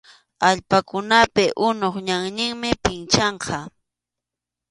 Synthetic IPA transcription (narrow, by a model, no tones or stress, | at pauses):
aʎpakʊnapɪʔʊnoχɲaŋɲɪŋmɪpɪnt͡ʃɑɴqʰɑ